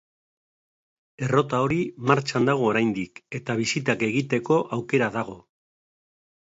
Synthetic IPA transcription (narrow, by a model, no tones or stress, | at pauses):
e̞ro̞t̪ao̞ɾimaɾt͡ʃand̪aɣ̞o̞ːɾajnd̪ike̞t̪aβ̞isit̪ake̞ɣit̪e̞ko̞ʔawke̞ɾaðaɣ̞o̞